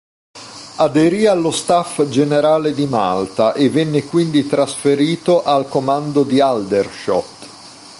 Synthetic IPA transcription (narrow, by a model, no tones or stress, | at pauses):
ad̪eɾialːost̪afd͡ʒeneɾaːled̪ima̰lt̪aʔevːɛnːekwind̪it̪ɾasfeɾiːt̪oʔalkomand̪od̪iald̪erʃɔt̪ː